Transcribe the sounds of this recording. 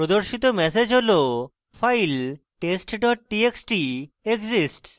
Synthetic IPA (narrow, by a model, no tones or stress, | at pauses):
ɾod̪oɾʃit̪̬omɛsed͡ʑɦolo | fʰajl | ʈesʈɖɔʈ̚ʈieksʈi | eɡzisʈs